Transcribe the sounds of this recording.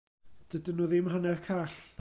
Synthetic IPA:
d̥ədənuːðɪmɦanɛrkʰaːɬ

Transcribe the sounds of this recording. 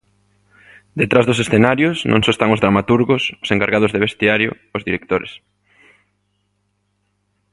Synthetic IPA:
d̪et̪ɾazðʊs̬esθenaɾjʊsnõ̰ŋsɔest̪aŋʊzðɾamat̪uɾɣosʊ̥seŋkaɾɣað̞ozðeβ̞est̪iaɾjʊ̰ːzðiɾek̚t̪oɾḛs

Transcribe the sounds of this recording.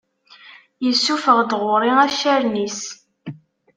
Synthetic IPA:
jəsːufəʁd̪ʁʊɾˤiæʃæɾnis

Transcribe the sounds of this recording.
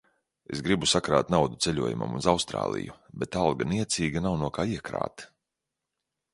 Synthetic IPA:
e̞sɡɾibusakɾa̰ːt̪nawd̪ut̪selʲuɔjuma̰munzawst̪ɾa̰ːlˠḭju | bet̪alˠɡaniɛt̪siːɡanawnuɔkaːiɛkɾa̰ːt̪

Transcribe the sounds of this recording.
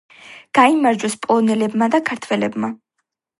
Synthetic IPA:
ɡ̥aimaɾd͡ʒɔspʼɔnɛlɛbmad̪akʰaɾt̪ʰwɛlɛbma

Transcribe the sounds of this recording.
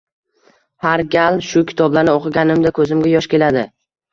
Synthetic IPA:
haɾɡʲalʃʊkʲʰɪ̥t̪ʰɒblanɪoqʰɨɡʲanɪmd̪akʰɵzɪmɡʲajɒʃkʲe̞lad̪ɪ

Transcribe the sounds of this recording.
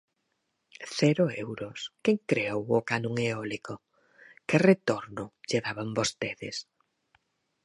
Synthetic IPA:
θɛɾʊɛwɾʊskeŋkɾeowʊkanũŋeɔliko | kɪret̪oɾnʊʎeðaβambost̪eðɪ̰s

